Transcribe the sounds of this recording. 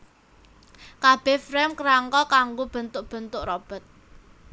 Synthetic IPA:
kab̥ɛfɾɛmkəɾaŋkɔkaŋɡob̥ə̤nt̪ʊʔb̥ə̤nt̪ʊʔrɔb̥ɔ̤t̪̚

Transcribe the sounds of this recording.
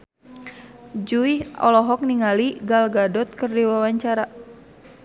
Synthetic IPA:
d͡ʒuiɔ̰lɔɦɔk̚niŋaliɡalɡadɔt̪̚kərdiwawaɲt͡ʃaɾa

